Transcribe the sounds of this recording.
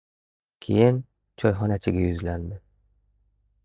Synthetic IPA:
kʲʰḭjɪn | t͡ʃʰɒjɦɒnæt͡ʃʰɪɡʲajɵzlænd̪ɪ

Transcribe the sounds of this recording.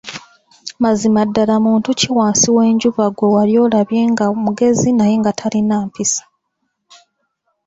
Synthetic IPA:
mazimadːalamuːntuciwaːnsiwe̞ːɲɟuβaɡo̞waljo̞ːlaβje̞ːŋɡamuɡe̞zinaje̞ŋɡatʰalinaːmpisḁ

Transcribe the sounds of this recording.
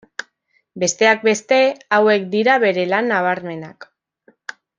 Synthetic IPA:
be̞st̪e̞ak̚be̞st̪e̞awe̞kd̪iɾaβe̞ɾe̞lanːaβ̞aɾme̞nak

